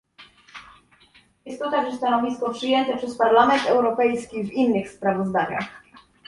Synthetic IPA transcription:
jɛst̪ːɔt̪aɡʐɛst̪anɔvʲistkɔpʂɘjɛnt̪ɛpʂɛspaɾlamɛnt̪ɛwɾɔpɛjskʲivinːɘxspɾavɔzd̪aɲa̰x

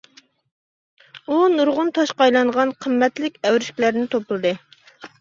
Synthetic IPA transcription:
unuɾʁʊnt̪ʰɑʃqɑjlˠɑɴʁɑnqʰəmːɛt̪lɪkʲɛwɾɪʃkʲilæɾnɪt̪ʰoplˠɨd̪ɨ

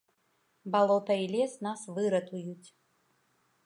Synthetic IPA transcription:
balˠɔt̪ɐilʲɛsnasvɨɾɐt̪ujut͡sʲ

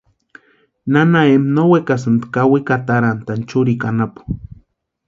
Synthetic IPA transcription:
nanaemnowekasɨnd̪kawikat̪aɾant̪ant͡ʃuɾikʼanapu̥

